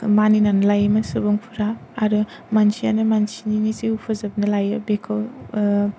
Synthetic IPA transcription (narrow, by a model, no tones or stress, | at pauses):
maninanɐlajmɐsubuŋpʰuɾaːɾɯ | mansia̰nɯmansininisiupʰɯzɐb̚nɐlajɯbekʰɔ